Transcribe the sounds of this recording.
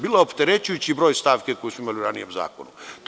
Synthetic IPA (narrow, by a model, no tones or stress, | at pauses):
biːlˠaopt̪eɾet͡ɕujut͡ɕibɾoːjst̪aːʋkekojesmuimaliuɾanijemza̰ːko̰nut̪